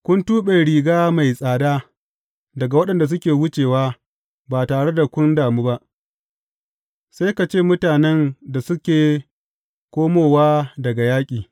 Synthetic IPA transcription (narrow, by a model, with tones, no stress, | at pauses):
kʷʊ˦ntuː˦ɓe˨ɽiː˨ɡaː˦ma˨jsʼaː˨daː˦ | dɐ˨ɡa˨wɐ˦ɗɐ˨nda˨s̬ʊ˦kʲeː˨wʊ˦t͡ʃeː˨waː˦ | baː˨taː˨ɽe˦da˨kʷʊ˦ndaː˨muː˦ba˦ʔ | sa˦jka˨t͡ʃeː˦˨mʊ˦taː˨nɛ˦nda˨sʊ˦kʲeː˨ | kʷoː˦moː˨waː˦dɐ˨ɡa˨jaː˦kʲʼiː˨